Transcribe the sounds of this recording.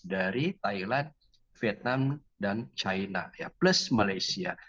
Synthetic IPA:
daɾit̪ailand | fet̪̚nam | dant͡ʃaina̰japlusmalajsia̰

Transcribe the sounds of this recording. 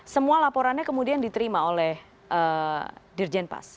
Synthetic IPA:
səmualapoɾanɲakəmudiandit̪əɾimaolɛh | ʔədird͡ʒɛnpa̰s

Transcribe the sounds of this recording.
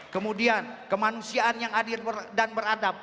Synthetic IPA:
kəmudiankəmanusiaʔanjaŋadɪrbərdanbəɾadap̚

